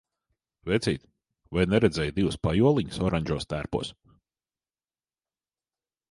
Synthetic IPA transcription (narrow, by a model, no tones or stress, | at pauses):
vɛt̪sʲḭːjt̪ | vajnɛɾɛd̪zʲɛjd̪iwspajuɔlˠiɲu̥sɔɾaɲʲd͡ʒuːst̪æːɾpṵːs